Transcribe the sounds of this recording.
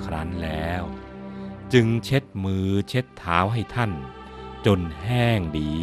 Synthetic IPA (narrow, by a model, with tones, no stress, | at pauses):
kʰɾaː˦˥nlɛː˦˥w | t͡ɕɯ˧ŋt͡ɕʰe˦˥t̪̚mɯː˧t͡ɕʰe˦˥t̪ʰːaː˦˥wɦa˥˩jt̪ʰa˥˩n | t͡ɕo˧nhɛː˥˩ŋdiː˧